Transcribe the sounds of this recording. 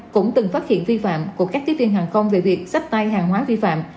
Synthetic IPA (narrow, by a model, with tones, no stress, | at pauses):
kʊ̰˧˥ŋ͡mt̪ɨ˨˩ŋfaː˦˥t̚hḭ˧˨ənvi˧fa̰ː˧˨mku˧˩əkaː˦˥kt̪ʰi˦˥vi˧ənɦaː˨˩ŋxə˧wŋ͡mve˨˩vi˨˩ək̚sa˦˥jk̚t̪a˧jɦaː˨˩ŋɦwaː˨˦vi˧fa̰ː˧˨m